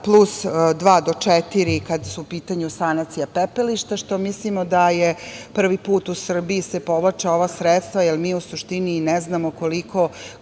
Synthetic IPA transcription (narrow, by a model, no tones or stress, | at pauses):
plˠusd̪ʋaːd̪o̞t͡ʂet̪iɾikad̪suupiːt̪aɲusanat̪sijapepeliʃt̪aʃt̪o̞mislimod̪ajepr̩ʋipuːt̪usr̩biisepo̞ʋlˠat͡ʃaoʋasɾet̪st̪ʋajelmiːusuʃt̪inineznamoko̞likʰo̞